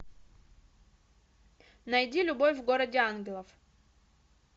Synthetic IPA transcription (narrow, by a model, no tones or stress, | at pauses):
nɐjdʲilʲʊbo̞fʲvɡo̞ɾədʲɪanɡʲɪlˠəf